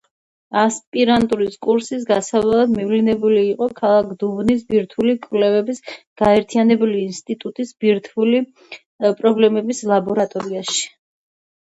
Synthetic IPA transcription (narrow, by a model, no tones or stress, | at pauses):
aspʼiɾant̪ʼuɾiskʼuɾsis̬ɡasavlalˠad̪mivlinɛbuliːqʼɔkʰalˠakʰd̪uvnis̬biɾt̪ʰwulikʼvlɛvɛbisɡ̥aɛɾt̪ʰianɛbuliːnst̪ʼit̪ʼut̪ʼisbiɾt̪ʰuli | pʼɾɔblɛmɛbislˠabɔɾat̪ʼɔɾiaʃi̥